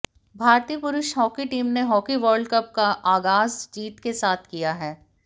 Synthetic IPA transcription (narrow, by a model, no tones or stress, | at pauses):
bʱaːɾt̪iːəpʊɾʊʃɦɔːkiʈiːmneɦɔːkiʋəːɾɖkɐp̚kaʔaːɡaːzd͡ʒiːt̪kesaːt̪ʰkijaɦɛː